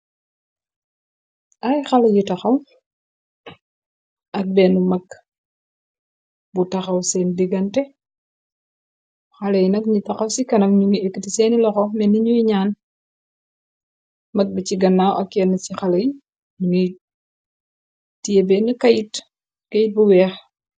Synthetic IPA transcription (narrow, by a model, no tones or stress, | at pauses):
ɐjxɐlɐjitɐxɐw | ɐk̚bɛnumɐk | butɐxɐwsɛndiɡɐntɛ | xɐlɐjnɐkɲitɐxɐwsikɐnɐk̚ɲuŋiekːitisɛːnilɔxɔmɛniɲujiɲaːn | mɐk̚bit͡ʃiɡɐnːaːwʔɐkjɛnut͡ʃixɐlɐj | ɲuŋi | tiebɛnukɐjit | kɐjit̚buwɛːx